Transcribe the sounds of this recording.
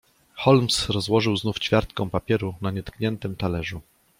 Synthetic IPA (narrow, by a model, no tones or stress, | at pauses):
xɔlmsɾɔzwɔʐɘwznuft͡ɕfʲjaɾt̪̚kɔ̃w̃papʲjɛɾunaɲɛt̪kɲɛnt̪ɘmt̪alɛʐu